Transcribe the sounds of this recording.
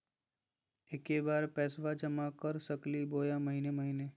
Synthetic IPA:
ekebaːɾpɛːsʋad͡ʒəmakəɾsəkliboːjaməɦineməɦine

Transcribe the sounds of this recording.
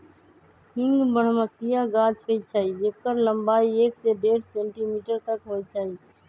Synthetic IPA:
hĩŋɡbəɽ̤məsijaɡad͡ʒɦojt͡ʃʰaɦid͡ʒekəɾləmbaiekseɖeɾsẽɳʈimiʈəɾt̪əkɦojt͡ʃʰai

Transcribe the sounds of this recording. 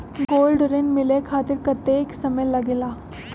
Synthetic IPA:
ɡoːlɖɾenmɪlekʰaːt̪ɪɾkɐt̪ːeksɐməjlɐɡelaː

